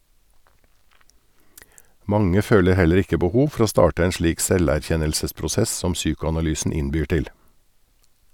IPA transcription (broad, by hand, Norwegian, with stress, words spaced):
ˈmɑŋə ˈføːlə ˈhɛləɾ ˈɪkə bəˈhuːʋ ˈfɔɾ ˈoː ˈstɑːʈə ˈeːn ˈʃliːk ˈsɛlæˌçɛnəlsəspɾʊˌsɛs ˈsɔm ˈsyːkʊɑnɑˌlyːsn̩ ˈɪnbyːɾ ˈtɪl